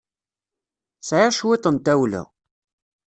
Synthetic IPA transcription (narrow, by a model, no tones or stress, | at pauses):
sʕaʃwit̪ˤənt̪æwlʊ̰